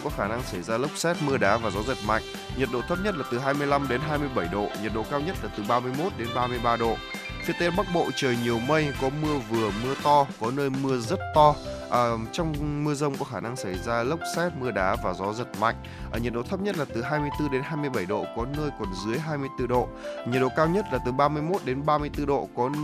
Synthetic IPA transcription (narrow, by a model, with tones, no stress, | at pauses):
kɔ˨˦xaː˧˩na˧ŋsə˧˩jzaː˧lə˦˥wk͡p̚sɛ˦˥t̚mɨ˧əɗaː˨˦vaː˨˩zɔ˨˦zə˨˩t̚ma̰˧˨jŋ̟ | ɲə˨˩t̚ɗo̰˧˨t̪ʰə˦˥p̚ɲə˦˥t̚laː˨˩t̪ɨ˨˩ɦaː˧jmɨ˧əjla˧mɗe˨˦nɦaː˧jmɨ˧əjɓə˧˩jɗo̰˧˨ɲə˨˩t̚ɗo̰˧˨kaː˧wɲə˦˥t̚laː˨˩t̪ɨ˨˩ɓaː˧mɨ˧əjmo˦˥t̚ɗe˨˦nɓaː˧mɨ˧əjɓaː˧ɗo̰˧˨ | fi˨˦ət̪e˨˦ɓa˦˥k̚ɓo̰˧˨t͡ɕəː˨˩jɲi˨˩əwmə˧jkɔ˨˦mɨ˧əvɨ˨˩əmɨ˧ət̪ɔ˧kɔ˨˦nəː˧jmɨ˧əzə˦˥t̚t̪ɔ˧ʔəː˨˩t͡ɕɔ˧wŋ͡mmɨ˧əzə˧wŋ͡mkɔ˨˦xaː˧˩na˧ŋsa˧˩jzaː˧lə˦˥wk͡p̚sɛ˦˥t̚mɨ˧əɗaː˨˦vaː˨˩zɔ˨˦zə˨˩t̚ma̰˧˨jŋ̟ | ʔəː˧˩ɲə˨˩t̚ɗo̰˧˨t̪ʰp̚ɲə˦˥t̚laː˨˩t̪ɨ˨˩ɦaː˧jmɨ˧əjt̪ɨ˧ɗe˨˦nɦaː˧jmɨ˧əjɓə˧˩jɗo̰˧˨kɔ˨˦nəː˧jkɔ˨˩nzɨ˨˦əjɦaː˧jmɨ˧əjt̪ɨ˧ɗo̰˧˨ɲə˨˩t̚ɗo̰˧˨kaː˧wɲə˦˥t̚laː˨˩t̪ɨ˨˩ɓaː˧mɨ˧əjmo˦˥t̚ɗe˨˦nɓaː˧mɨ˧əjt̪ɨ˧ɗo̰˧˨kɔ˨˦